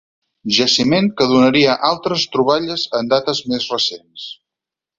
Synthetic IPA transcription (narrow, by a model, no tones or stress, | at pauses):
ʒəsimeŋkəðunəɾiəʔalˠt̪ɾəst̪ɾuβ̞aʎəzənd̪at̪əzmezrəsens